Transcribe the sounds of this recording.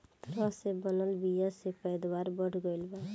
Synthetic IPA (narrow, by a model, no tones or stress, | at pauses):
t̪əɾəɦsebənəlbijasepəjd̪waːɾbəɽ̤ɡəɪlba